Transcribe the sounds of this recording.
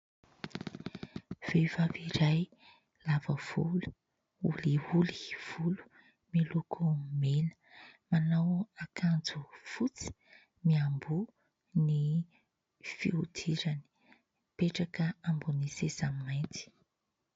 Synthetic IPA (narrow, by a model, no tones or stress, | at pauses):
v̥evaviɾaj | lavəv̥ṵlu̥ | ṵliuli̥v̥ulu̥ | milukʰumelə̥manawakʰand͡zufut͡si̥ | miambu | ni | fḭud̪ʰiɾani̥ | peʈ͡ʂakəambunisesamimajnt̪i̥